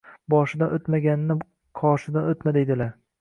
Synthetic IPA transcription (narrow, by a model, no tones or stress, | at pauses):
bɒʃɪd̪anot̪maɡʲanɪnɪ | qʰɒʃɪd̪anot̪mad̪ed̪ɪlaɾ